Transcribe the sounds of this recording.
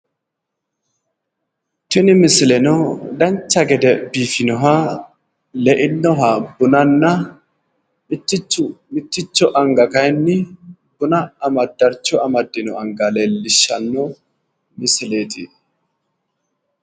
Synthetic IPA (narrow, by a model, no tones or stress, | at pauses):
t̪ɪnɪmɪsɪlɛnɔd̪ɐnt͡ʃːɐɡɛd̪ɛbiːfɪnɔɦa | lɛʔɪnːɔɦabʊnɐnːɐ | ɪt̪ːɪt͡ʃːʊmɪt̪ːɪt͡ʃːɔʔɐŋɡɐkɐjnːɪbʊnɐɐmɐd̪ːɐɾt͡ʃːɔɐmɐd̪ːɪnɔɐŋɡɐleːlːɪʃːɐnːɔ | mɪsɪle̞ːt̪ɪ